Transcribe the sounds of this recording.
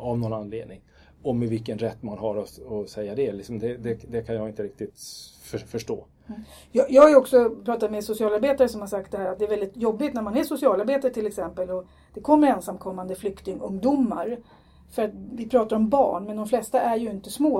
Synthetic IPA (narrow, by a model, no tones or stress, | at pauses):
ɔmnɔnanlḛːd̪nɪŋ | ɔmɛvɪlkːənɾɛt̪ːmanɦaɾɔɔsɛjːad̪ɛlɪksɔmd̪ɛd̪ɛd̪ɛkʰanjɑːɡɪnt̪əɾɪk̚t̪ɪt̪fœfœʂʈo̰ː | jɑjɑːɡhajɵɔksɔpʰɾɑːt̪at̪mɛsʊsɪɑːlaɾbeːt̪aɾəsɔmhaʂak̚t̪d̪ɛhæːɾat̪̚d̪ɛɾvɛld̪ɪt̪jɔbːɪt̪næɾmanæʂʊsɪɑːlaɾbeːt̪aɾəʈ̪ʰɪlɛksɛmpəlɔ | d̪̥ɛkʰɔmːəɾɛnsamkʰɔmːand̪əflʏkt̪ɪŋɵŋd̪umːa̰ɾ | fœɾat̪vɪpʰɾɑːt̪aɾɔmbɑ̰ːɳmɛnd̪ɔmflɛst̪aʔæɾjɵɪnt̪əsmoː